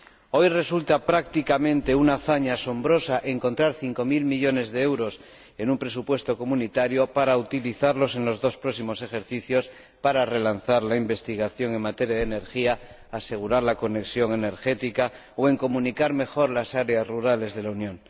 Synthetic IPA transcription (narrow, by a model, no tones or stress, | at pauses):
o̞jre̞sult̪apɾak̚t̪ikamẽ̞nt̪e̞unaːθaɲaːso̞mbɾo̞saʔe̞ŋko̞nt̪ɾaɾθiŋko̞milmiʎo̞ne̞zðeewɾo̞s | e̞numpɾe̞supwe̞st̪o̞ko̞munit̪aɾjo̞paɾaut̪iliθaɾlo̞se̞nlo̞zðo̞spɾo̞ksimo̞se̞xeɾθiθjo̞s | paɾare̞lan̟θaɾlaimbe̞st̪iɣ̞aθjo̞ŋe̞ŋmat̪e̞ɾjaðene̞ɾxiaː | se̞ɣ̞uɾaɾlako̞ne̞ksjo̞ŋe̞ne̞ɾxe̞t̪ika | oe̞ŋko̞mũnikaɾme̞xo̞ɾlasaɾe̞azruɾale̞zðe̞launjõ̞ŋ